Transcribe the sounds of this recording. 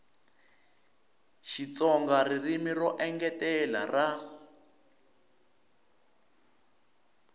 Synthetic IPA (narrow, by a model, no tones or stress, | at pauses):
ʃit͡sɔŋɡaririmirɔʔɛŋɡɛtɛla̰rʔa